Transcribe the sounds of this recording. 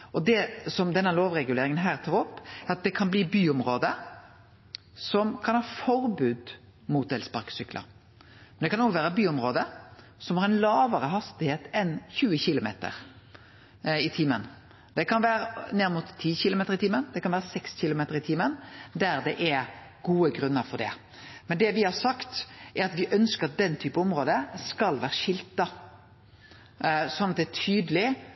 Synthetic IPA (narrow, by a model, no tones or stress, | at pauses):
ʔɔd̪ɛsɔmd̪ɛnːəloːʋɾɛɡʉleːɾɪŋənɦæːʁt̪ʰɑːɾɔpːɛɾɑt̪̚d̪ɛkʰɑnbliːbyːʊmʁoːd̪ə | sɔmkʰɑnhɑːfɔɾbʉːd̪ | muːt̪̚d̪ɛlspɑɾksʏklɑ̰ | mɛnd̪ɛkʰɑnoːɡʋæːɾəbyːʊmʁoːd̪ə | sɔmhɑɾɛnlɑːʋəɾəhɑst̪ɪheːt̪ɛnçʉːəçɪlʊmḛːt̪ə̰ɾ | ɪt̪ʰimən | d̪ɛkʰɑnʋæːɾəneːʁmʊt̪ʰːiːçɪlʊmeːt̪əɾɪt̪ʰiːmənd̪ɛkɑnʋæːʁəsɛksçɪlʊmeːt̪əɾɪt̪ʰimənd̪æɾd̪ɛʔɛɾɡuːəɡɾʉnːəɾfɔɖɛ̰ | mɛnd̪ɛʋɪhɑɾsɑkt̪ʔɛɾɑt̪ʋɪʔœnskəɾɑt̪̚d̪ɛnːt̪ʰyːpəɔmɾoːd̪əskɑlʋæːɾəʂɪlt̪ɑ | sɔnɑt̪̚d̪ɛt̪ʰyːd̪əlɪ